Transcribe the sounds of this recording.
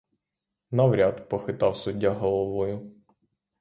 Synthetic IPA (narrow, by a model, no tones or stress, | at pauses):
nɐwɾʲad̪pɔxɪt̪ɑwsʊdʲːaɦɔlˠɔʋɔjʊ